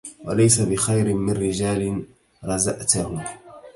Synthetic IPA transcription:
walajsabɪxajɾɪmɪnɾɪd͡ʒaːlɪ | ɾˤɑzaʔt̪ah

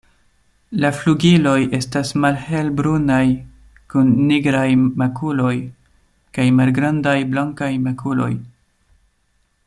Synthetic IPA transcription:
lafluɡilo̞je̞stasmalhe̞lbɾunaj | kunːiɡɾajmakulo̞j | kajmalɡɾandajblaŋkajmakʰulo̞̰j

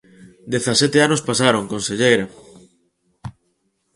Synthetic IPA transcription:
d̪eθasɛt̪eanospasaɾoŋkonseʎejɾa

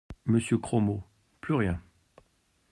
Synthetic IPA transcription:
məsjøkχɔmo | plyʁjɛ̃

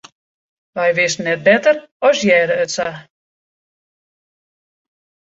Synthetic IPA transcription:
ʋɛjʋɪsnːɛt̚bɛtərɔsjɛːɾəøtsa

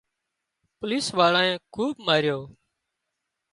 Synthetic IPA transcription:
pʊliːsʋaːɭaːẽːkʰuːbmaːɾɪjoː

